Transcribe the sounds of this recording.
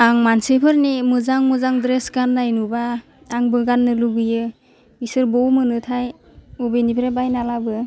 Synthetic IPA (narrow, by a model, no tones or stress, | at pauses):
aŋmansepʰɯɾnimɯzaŋmɯzaŋdɾesɡanːajnubaː | ŋbɯɡanːɯluɡɯjɯ | isɯɾbɔwmɯnɯtʰaj | ɔbejnipʰɾebajnalabɯ